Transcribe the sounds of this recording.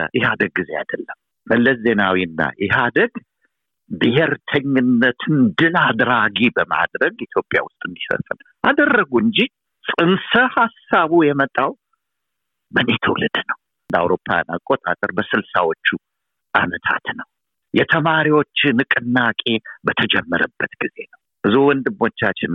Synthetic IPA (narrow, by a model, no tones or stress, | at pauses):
jɪhad̪əɡ̚ɡːize̞a̰d̪əlːəmː | əlːəsze̞nawiɨnːa̰jɪhad̪əɡ | d̪iɦeɾt̪ʰəɲːɪnːət̪ʰɨnd̪ɨlad̪ɾaɡibəma̰d̪ɾəɡit̪ʰjo̞pʼːja̰wʊst̪ʼɨnd̪ifə̰fʼɨn | ʔad̪ərːəɡuɨnd͡ʒi | sʼɨnsəhasːaβujɛmət̪ʼːaw | bənet̪ʰəwlɨd̪nəw | nd̪a̰wɾo̞pʰːaja̰na̰kʼːo̞t̪ʼa̰t̪ʼəɾbəsɨlsawot͡ʃːu | ʔa̰nət̪ʰa̰t̪nəw | jɛt̪ʰəmaɾiwo̞t͡ʃːnɨkʼɨnːakʼe̞bət̪ʰəd͡ʒɛmːəɾəbːət̪ɡiz̥enəw | bɨzuwɔnd̪ɨmːwot͡ʃːat͡ʃːɪn